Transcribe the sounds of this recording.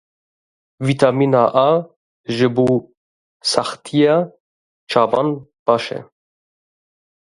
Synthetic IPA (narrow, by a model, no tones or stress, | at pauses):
vit̪ʰaminaʔa | ʒəbu | sɑxt̪ʰija | t͡ʃʰɑbɑnb̥ɑʃɛ̰